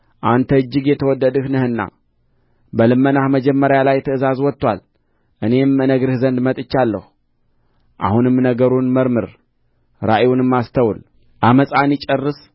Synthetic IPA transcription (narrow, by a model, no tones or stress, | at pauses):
ʔant̪ʰəɨd͡ʒːɨɡjɛt̪ʰəwɔd̪ːəd̪ɨhnɨhɨnːa̰ | bəlɨmːənahməd͡ʒɛmːəɾajalajt̪ʰəɨzazwɔt̪ːwal | ʔɨne̞mɨnəɡɾɨhzənd̪mət̪ʼɨt͡ʃːalːəhu | ʔa̰hunɨmnəɡəɾunməɾmɨɾ | ɾaʔewunɨmːast̪ʰəwl | ʔaməsʼanit͡ʃʼərːɨs